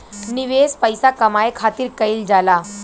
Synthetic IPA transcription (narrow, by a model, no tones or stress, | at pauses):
niʋespəjsakəmajekʰat̪iːɾkəild͡zala